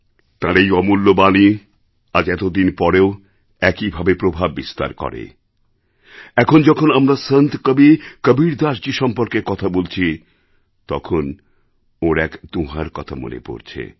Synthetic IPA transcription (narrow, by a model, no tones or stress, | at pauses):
t̪ãɾejɔmulːobani | ad͡ʑɛt̪od̪inpɔɾeo | ɛkibʱabepɾobʱabːist̪a̰ɾkɔ̰ɾḛ | ɛkʰond͡ʑɔkʰonamɾasənt̪kəbikəbiɾd̪aʃd͡ʑeʃɔmpoɾkekɔt̪ʰabolt͡ɕʰi | t̪ɔkʰon | oɾɛkd̪ũɦaɾkɔt̪ʰa̰mo̰nḛpo̰ɾt͡ɕʰḛ